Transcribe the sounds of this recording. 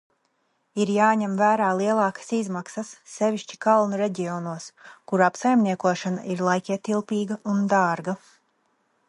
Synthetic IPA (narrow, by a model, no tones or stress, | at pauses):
iɾjaːɲɛmvæːɾaːlˠiɛlˠɑːkḁsizmaksɐsːeviʃt͡ʃi̥kalˠnuɾeɟʲiɔnuɔskuɾapsajmnʲiɛkuɔʃana̰ʔiɾlˠajkʲɛt̪ilˠpiːɡɐund̪aːɾɡa